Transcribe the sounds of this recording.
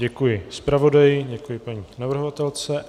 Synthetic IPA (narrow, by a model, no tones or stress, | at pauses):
ɟɛkujɪspɾavo̞dajɪɟɛkujɪpaɲiːnavr̩ɦovat̪ɛlt͡sɛ